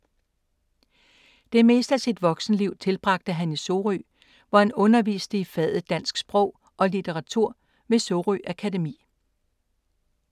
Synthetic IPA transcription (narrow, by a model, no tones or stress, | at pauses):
d̥e̝me̝̰ːsd̥æsid̥ʋɒ̽ɡ̥sn̩liʊt͡sʰe̝lb̥ʁɑ̈ɡ̥̚d̥əɦæniso̝ʁy̰ | ʋɒhænɔ̽nɐʋḭːsd̥əifɛð̰ˠð̩ˠd̥æn̰sɡ̥sb̥ʁɔ̽ʊ̰ | ɒ̽lit͡sʰeʁɑ̈t͡sʰuɐ̰ | me̝soʁyʔækʰæde̝mḭː